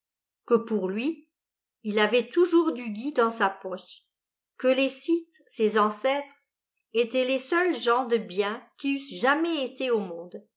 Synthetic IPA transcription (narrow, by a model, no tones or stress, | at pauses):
kəpuʁlɥi | ilavɛt̪uʒuʁd̪yɡʲid̪ɑ̃sapɔʃ | kəlesit̪sezɑ̃sɛt̪χ | et̪ɛlesœlʒɑ̃d̪əbjɛ̃kʲiysʒamɛet̪eomɔ̃d̪